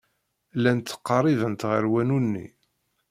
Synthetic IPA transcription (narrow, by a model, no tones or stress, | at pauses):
lænt̪ːə̥qːɑɾˤivənt̪ʁəɾwænunːḭ